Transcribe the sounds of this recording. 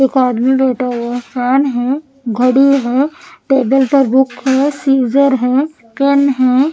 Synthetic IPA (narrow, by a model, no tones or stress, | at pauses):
ekaːd̪mibeːʈʰaokaːnɦɛ̃ | ɡʱəɽiɦɛːʈeːbəlpɐɾbʊkɦɛːsiːd͡ʒəɾɦɛː | kenɦɛ̃ː